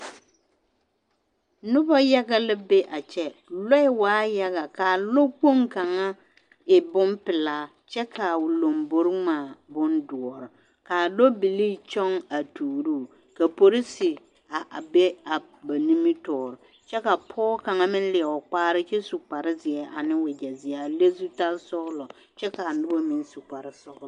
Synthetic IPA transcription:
nʊ˦ba˦ja˦ɡa˦lɪ˦be˦ʔa˨t͡ʃɛ˦lo˦ɪ˦waː˨˦ja˦ɣa˨ka˨lo˦k͡po˦ŋka˨ŋa˦ | ɪ˨bʊ˦mpɪ˨laː˦ | t͡ʃɛ˦kʰa˨ʊ˨lo˨mbo˨ɾɪ˦maː˨bʊ˦ndʊ˨ɔ˨ɾɪ˨ | ka˨lo˦bɪ˨liː˦t͡ʃɔ˦ŋa˨tuː˨ɾu˦ | ka˨po˦ɾi˦sɪ˨ | a˨a˨bɛ˦a˨ba˨ni˦mi˦tɔː˨ɾɔ˨ | t͡ʃɛ˦ka˨pʰɔː˦ka˨ŋa˦mɪ˦n˦lɪ˨ɛ˨ɔ˨k͡paː˦ɾɪ˦t͡ʃɛ˦su˨k͡pa˨ɾɪ˦zɪ˨ɛ˦a˨nɪ˦wɪ˨d͡ʒa˨zɪ˨a˨a˨le˦zu˦ta˦lsɔ˦ɣlɔ˨ | t͡ʃɛ˦ka˨nʊ˦bo˦mi˨n˦su˨k͡pa˨ɾɪ˦sɔ˦ɣl

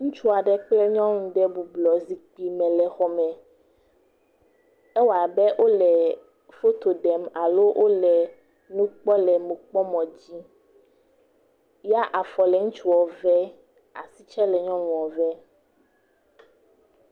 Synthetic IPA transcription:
ŋũ˦t͡ʃu˦a˨ɖɛ˦k͡plɛ˦ɲɔ̃˦nũ˨ɖɛ˦bu˨blɔ˨zi˦k͡pi˦mɛ̃˨lɛ˨xɔ˦mɛ̃˨ | ɛ˦wa˨bɛ˦ʔo˦lɛ˨ | fo˦t̪o˨ɖɛ˨ma˨lo˦ʔo˦lɛ˨ | nũ˦k͡pɔ˦lɛ˨mũ˨k͡pɔ˦mɔ̃˨d͡ʑi˦ | ja˦ʔa˨fɔ˨lɛ˨ŋũ˦t͡ʃu˦ɔ˨vɛ˦ | a̰˨si˦t͡ʃɛ˦lɛ˨ɲɔ̃˦nũ˨ɔ˨vɛ˦

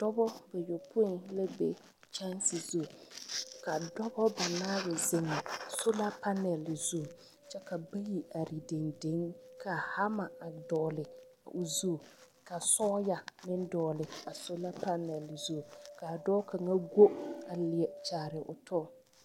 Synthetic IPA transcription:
d̥ɔ˦bɔ˦ba˨jo˨pʊ˦˨nla˦be˦ | t͡ʃa˦nsɪ˨zu˦˨ka˨dɔ˦bɔ˦ba˨naː˦bɪ˨zɪ˨ŋɪ˨sʊ˦la˦pa˦nɛ˨lɪ˨zu˦˨ | t͡ʃɛ˦ka˨bi˦ɣi˨a˨ɾi˨de˨ŋde˨˦ŋkʰa˨ha˦ma˨a˨dɔː˨lɪ˨ | a̰˨ʔʊ˨zu˦˨ | ka˨sɔː˦ja˨nɪ˦n˦dɔː˨lɪ˨a˨sʊ˦la˦pa˦nɛ˨lɪ˨zu˦˨ka˨dɔː˦ka˨ŋa˦ɡo˦a˨lɪ˨ɛ˨t͡ʃaː˨ɾɪ˨ʔʊ̰˨tɔ˦˨

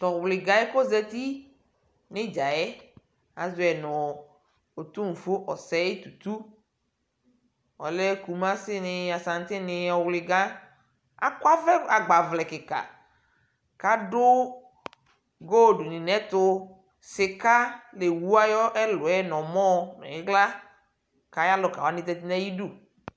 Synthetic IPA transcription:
t̪ɔ˨wlɪ˨ɡa˨ɛ˦ko˦zɛ˦t̪i˦ | nɪ̃˦d͡ʒa˨ɛ˦ | a˨zʊ˦ɛ˨nɔ̃˨ | o˨t̪u˦ŋ̩˨fo˦ʔɔ˨sɛ˦e˦t̪u˨t̪u˦ | ɔ̰˨lɛ˦ku˨mã˦sɪ˦nɪ˨a˨sã˨ŋ˦t̪ɪ˦nɪ̃˨ɔ˨wlɪ˨ɡa˦ | a̰˦kwa˦vɛ˦a˨ɡ͡ba˨vlɛ˨kɪ˨ka̰˨ | ka˦dʊ˦ | ɡo˦˨ɖʊ˨nɪ̃˨nɛ̃˦t̪ʊ˦ | sɪ˨ka˦le˨wu˦a˦jɔ˦ʔɛ˦lʊ˨ɛ˦nɔ̃˨mɔ̃˦nɔ̰̃˨ɪ˦ɡla˦ | ka˨ja˦lʊ˨ka˨wa˨˦nɪ̃˦t̪ɛ˨t̪i˦nɛ˦ji˦du˦

